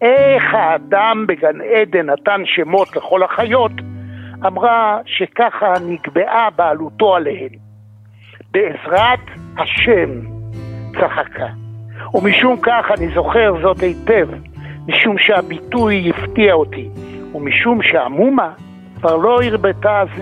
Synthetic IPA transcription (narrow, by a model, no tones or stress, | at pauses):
ʔeχhaːdambeɡanede̞natanʃemo̞tle̞χo̞lhaχajo̞tamʁaʃe̞kaχaniɡbe̞ʔabealuto̞alehem | beːzʁathaʃem | t͡saχakʰaumiʃumkaχanizo̞χe̞ʁzo̞thejtev | miʃumʃeabitujːiftiaotiumiʃumʃea̰muma | kvaʁlo̞iʁbetaz